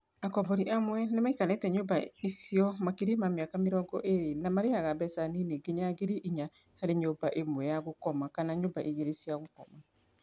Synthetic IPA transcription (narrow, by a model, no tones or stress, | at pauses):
akɔbɔɾiʔamwɛnemaikanɛtɛɲobaisiɔmakeɾimameakameɾɔɡɔʔeɾenamaɾeaɣabɛsanineɡeɲaɡeɾiʔiɲa | haɾeɲobaʔemwɛjaɣokɔmakanaɲombaʔiɣeɾesiaɣokɔma